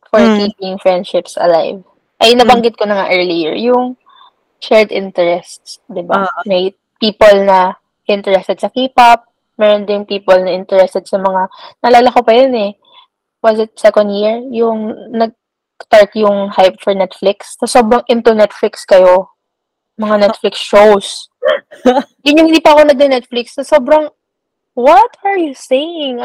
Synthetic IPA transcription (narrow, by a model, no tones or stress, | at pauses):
fɔɹt̪iːkɪŋfɹɛnd̪ʃɪpsʔɐ̰la̰jv | ʔɐjnɐbɐŋɡɪt̪̚konɐŋa̰ʔɛːɹlijḭɹjʊŋ | ʃɛɹd̪ʔɪnt̪ɛɹɛst̪sd̪ɪbamɐj | piːpolnɐ | ʔɪnt̪ɛɹɛst̪ɛd̪sɐkiːpɐp̚ | mɛːɾond̪ɪŋpiːpolnɐʔɪnt̪ɛɹɛst̪ɛd̪̚sɐmɐŋanɐlaːlɐkopɐjonɛ | wɐzɪt̪̚sɛkond̪jiɹjʊŋnɐɡ̚ | st̪aɹt̪jʊŋhajp̚fɔɹnɛt̪flɪkssɐso̞ːbɾɐŋʔɪnt̪onɛt̪flɪkskɐjo̞ | mɐŋanɛt̪̚flɪksʃows | jʊnːʊŋhɪnd̪iːpɐʔɐko̞nɐɡ̚d̪ɐnɛt̪̚flɪksːɐsoːbɾɐŋ | wɔt̪ɐɹjusejɪŋ